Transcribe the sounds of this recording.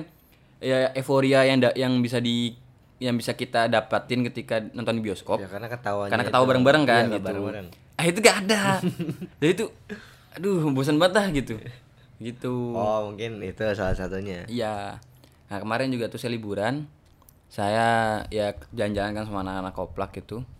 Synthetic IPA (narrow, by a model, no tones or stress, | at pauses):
jaʔefoɾiajaŋdajaŋbis̬adi | jaŋbisakit̪adapat̪ɪnkət̪ikanɔnt̪ɔndibiɔskɔpjkarnakət̪awakaɾnakət̪awabaɾəŋbaɾəŋkanɡiuɾŋ | aɦit̪̬uɡaːda | d͡ʒadit̪u | dʊhbus̬ənbaət̪lahɡit̪u | ɡit̪uɔmuŋkɪnit̪usalasat̪uɲaija | akəmaɾɛnd͡ʒuɡat̪usajalibuɾan | sajajad͡ʒaɲd͡ʒaankansamaanakanakːoplak̚ɡit̪u